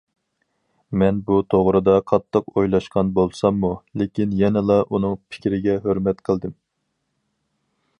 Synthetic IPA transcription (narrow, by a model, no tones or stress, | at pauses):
mɛnbut̪ʰoʁɾɨd̪ɑqʰɑt̪ʰːəqojlˠɑʃqɑnbolˠsɑmːulekʲinjɛnɛlˠɑʔunɨŋpʰɪ̥kʲɾɪɡʲɛɦøɾmɛt̪qʰəlˠd̪ɨm